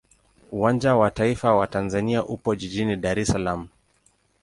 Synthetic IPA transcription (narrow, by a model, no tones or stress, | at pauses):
uwand͡ʒawataifawatanzaniaʔupɔʄiʄiniɗaɾɛsalamu